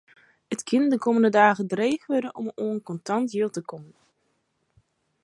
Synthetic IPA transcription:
ətkʰɪndəkoməndədaːɣədreːɣʋødənʔɔ̰moənkɔntɑntjɪlˠtəkɔmən

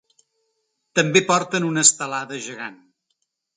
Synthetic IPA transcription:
t̪əmbepɔɾt̪ənunəst̪əlaðəʒəɣan

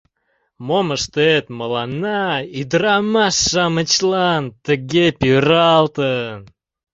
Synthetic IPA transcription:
moməʂt̪əet̪məlˠɑnaid̪ramasːɑmət͡ɕlˠant̪əɡʲepʲirɑlˠt̪ən

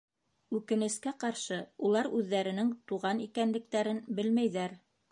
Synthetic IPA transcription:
ʉkɘ̆nɘ̆skæqɑɾʃɤulˠɑɾʉðːæɾɘ̆nɘŋt̪uʁɑnikænlɘ̆k̚t̪æɾɘnbɘlmæjðæɾ

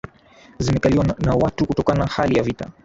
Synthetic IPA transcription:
zimɛkaliwanawatukutɔkananahalijavita̰

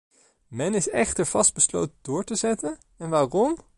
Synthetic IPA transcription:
mɛnɪsɛχtəɹv̥ɑsd̚bəslo̰wtədʊːɹtəzɛtən | ɛnʋaːrɔm

